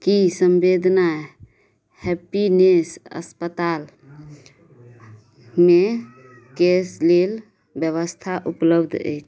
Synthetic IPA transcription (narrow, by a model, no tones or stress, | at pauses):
kisəmbed̪ʱna | hepinesə̰spət̪al | me | keslel | bjəβəst̪ʰaʔupləbd̪ʱḛk